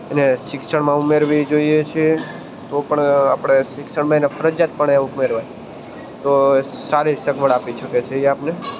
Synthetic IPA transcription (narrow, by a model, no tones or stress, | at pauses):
eneʃɪksəɳmãumeɾʋid͡ʒoijet͡ʃʰe | t̪opəɳapɽ̃eʃɪkʃəɳmãenefʰəɾəd͡ʒat̪̚pəɳeumeɾʋaj | t̪osaɾisəɡʋəɽapiʃəket͡ʃʰeiapne